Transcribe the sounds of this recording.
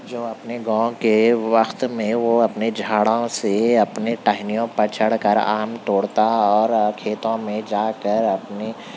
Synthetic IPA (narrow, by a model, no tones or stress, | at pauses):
d͡ʒoːɐpneɡãːõkeʋɐxt̪mẽʋoɐpned͡ʒʱaːɽaõseɐpneʈaːɦɪnijõpɐt͡ʃʰəɽkɐɾa̰ːmt̪oːɽt̪aɔːɾkʰeːt̪õmẽd͡ʒaːkəɾɐpne